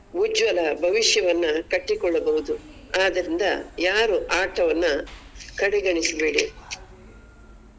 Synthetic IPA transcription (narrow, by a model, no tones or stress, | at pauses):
ʋud͡ʒʋɐlɐbʱɐʋiʂjɐʋɐnːɐkɐʈːikɔɭːɐbɐɦud̪u | aːd̪ɐɾind̪ɐ̰jaːɾuʔaːʈɐʋɐnːukɐɽɛɡɐɳisibeːɽi